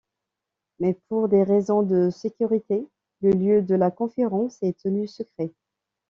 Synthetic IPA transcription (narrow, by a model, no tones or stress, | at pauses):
mɛpuʁd̪eʁezɔ̃d̪əsekʲyʁit̪e | ləljød̪əlakɔ̃feʁɑ̃sɛt̪ʰənysəkχɛ